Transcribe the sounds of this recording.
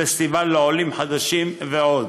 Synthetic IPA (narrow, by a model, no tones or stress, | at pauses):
est̪ivalːeolimħad̪aʃimveod̪